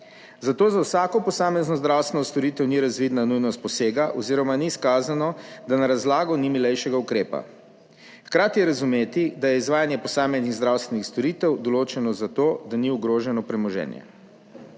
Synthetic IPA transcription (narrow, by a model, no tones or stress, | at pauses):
zat̪oːzawsaːkɔpɔsaːmɛznɔzd̪ɾawst̪ʋɛnɔst̪ɔɾit̪ɛwniɾazʋid̪nanujnɔst̪̚pɔseːɡaʔɔziɾɔmaniskaːzanɔd̪anaɾazlaːɡɔnimilɛjʃɛɡaukɾeːpa̰ | xkɾaːt̪ijɛɾazumeːt̪id̪ajɛizʋaːjanjɛpɔsaːmɛzniɣzd̪ɾawst̪ʋɛnixst̪ɔɾit̪ɛwd̪ɔloːt͡ʃɛnɔzat̪oːd̪aniuɡɾoːʒɛnɔpɾɛmɔʒɛ̰ːnjɛ̰